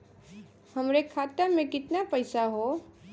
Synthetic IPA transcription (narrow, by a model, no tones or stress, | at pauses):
hɐmɾekʰaːt̪amẽkɪt̪napɐɪsaɦo